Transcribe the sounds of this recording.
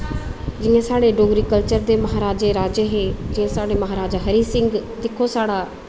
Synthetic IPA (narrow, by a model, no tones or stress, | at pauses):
d͡ʒɪãːsaːɽeːɖoːɡɾiːkəlt͡ʃəɾd̪eːməɦaːɾaːd͡ʒeːɾaːd͡ʒeɦeːd͡ʒɪãːsaːɽeːməɦaːɾaːd͡ʒaːɦəɾiːsɪ̃ŋɡd̪ɪkʰːoːsaːɽaː